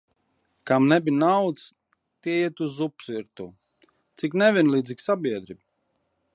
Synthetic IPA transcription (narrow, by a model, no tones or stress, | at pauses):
kamnɛbinawt̪s | t̪iɛjɛt̪uzupsiɾt̪u | t̪siknɛvʲiɛnlˠiːd̪ziksabʲiɛd̪ɾib